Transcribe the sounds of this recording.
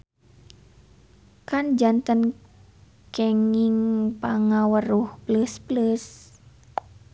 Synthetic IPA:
kand͡ʒant̪ən | kɛŋiŋpaŋawəruhpləspləs

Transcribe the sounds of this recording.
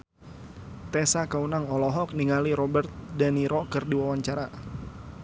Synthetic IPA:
t̪ɛsakaunaŋɔlɔɦɔk̚niŋaliɾɔbərt̪̚daniɾɔkɨrdiwawaɲt͡ʃaɾa

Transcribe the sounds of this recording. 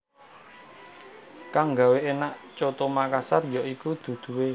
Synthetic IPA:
kaŋɡaweʔenaʔt͡ʃot̪omakasarjɔʔikud̪̥ṳd̪̥ṳwe

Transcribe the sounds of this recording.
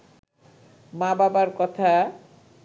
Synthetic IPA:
mãbabaɾkɔt̪ʰa

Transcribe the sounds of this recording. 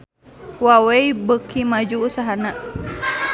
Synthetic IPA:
waweibəkʰimad͡ʒuːsaɦanaʔ

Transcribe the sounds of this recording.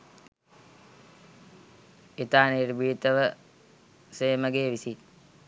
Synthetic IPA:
it̪aːnirbiːt̪əʋə | seːməɡeːʋisi

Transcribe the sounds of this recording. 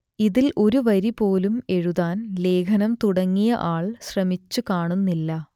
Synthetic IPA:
iðilʔo̞ɾuʋɐɾipo̞ːlume̞ɻuðaːnle̞ːkʰɐnɐmt̪uɽɐŋːijɐ̰ʔaːɭɕrɐmit͡ɕːukaːɳunːilːɐ

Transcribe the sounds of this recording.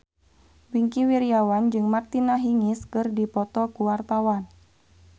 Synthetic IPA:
biŋkiwiɾiawand͡ʒɨŋmart̪inaɦiŋiskɨrdipɔt̪ɔkuwart̪awan

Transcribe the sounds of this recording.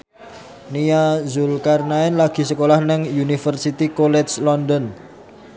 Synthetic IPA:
nijazulkarnaɛnlaɡ̥i̤səkolahnɪŋjunifərsit̪ikolɛslɔnd̪ɔn

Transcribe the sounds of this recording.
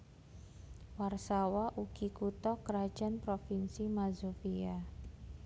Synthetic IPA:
warsawaʔuɡ̥ikut̪ɔkəɾḁd͡ʒ̥anpɾofinsimazofia

